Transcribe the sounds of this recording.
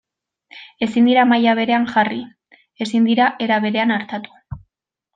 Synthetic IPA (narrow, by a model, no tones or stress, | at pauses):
e̞sind̪iɾamajaβ̞e̞ɾe̞aŋʝari | e̞sind̪iɾaʔe̞ɾaβ̞e̞ɾe̞anaɾt̪at̪u̥